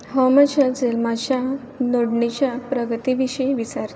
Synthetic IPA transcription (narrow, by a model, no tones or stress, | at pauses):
ɦɔmat͡ɕad͡zelmat͡ɕja | noɽɳit͡ɕjapɾəɡət̪iʋiɕijʋit͡saɾt̪